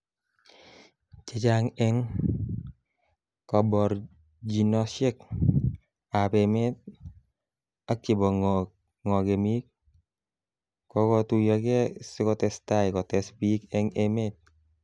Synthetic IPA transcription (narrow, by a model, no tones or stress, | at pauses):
t͡ʃet͡ʃaŋɛŋ | kɔbɔɾ | d͡ʒinɔsek | apɛmet̚ | akːɪbɔŋ | ŋɔɡemik̚ | kɔkɔtujɔkɛsɪkɔtɛstaɪkɔtɛspikɛŋemet̚